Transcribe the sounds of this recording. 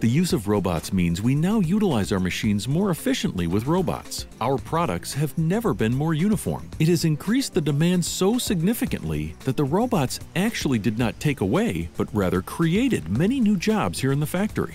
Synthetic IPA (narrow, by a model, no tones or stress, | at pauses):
ðɨjʉzʌvɹoʊbɑ̰tsmĩnzwinaʊjuɾəlaɪzaʊə˞mɨʃĩnzmɔɹɨfɪʃɨ̃nʔliwɨðɹoʊbɑ̰tsʔaʊə˞pʰɹ̥ɑɾə̰k̚tshɨvnɛvə˞bɨ̃nmɔɹjʉñəfɔ̰ɹmɨɾ̚ɨzɨ̃nkʰɹ̥isðɨdɨmæ̃nd̥soʊsɨɡ̚nɪfɨkɨ̰̃nʔlḭðɨt̪̚ðəɹoʊbɑtsæk̚t͡ʃul̩ˠidɨdⁿnətʰeɪkəweɪb̥ʌt̚ɹæðə˞kʰɹ̥ieɪɾɨd̚mɛñinʉd͡ʒɑbz̥hiɹɨ̃nðəfæk̚tə̰˞ḭ